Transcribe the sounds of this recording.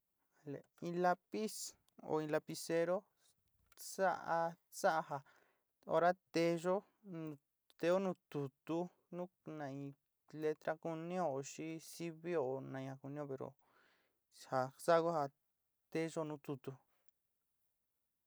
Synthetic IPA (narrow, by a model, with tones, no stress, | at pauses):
a˨lḛ˨ĩ˧la˧pi˦s | o̰˧˨ĩ˧la˧pi˧se˧ɾo˦ | sa˦ʔa˧ | sa˦ʔa˧ɦa˧ | o̰˧ɾa˦t̪e˧ʒõ˦˧ | t̪e˧˦o˦nũː˦t̪u˨t̪u˧ | nũː˦nã˧˨ĩ˨˧ | le˧t̪ɾa˦ku˧nĩ˦o˧o˧ʃi˦si˦βi˦o˨nã˧ĩ˧hã˧ku˧nĩ˦õ˧pe˨ɾo̰˨ | ha˨sa˦˧ku˦ha˧ | t̪e˧ʒo˦˧nũː˦t̪u˧t̪u˧